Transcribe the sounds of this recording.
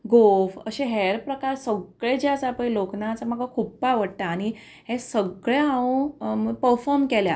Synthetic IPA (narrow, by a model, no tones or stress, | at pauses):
ɡofə̰ɕeɦeɾpɾəkaɾsəɡɭed͡ʑjasapəjloknat͡samaɡakʰuppaʋəɽʈ̪aːɽ̃i | ɦẽsəɡɭeɦãũpəɾfɔɾmkelja